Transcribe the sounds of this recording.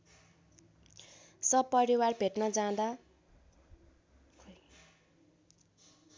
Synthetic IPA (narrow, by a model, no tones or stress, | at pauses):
sʌpʌɾiwarbʱeʈnʌd͡zãd̪a | kʰ